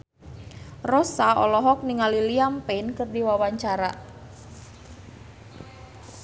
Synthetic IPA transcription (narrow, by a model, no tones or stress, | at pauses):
rɔsaɔ̰lɔɦɔk̚niŋaliliampɛnkɨrdiwawaɲt͡ʃaɾa̰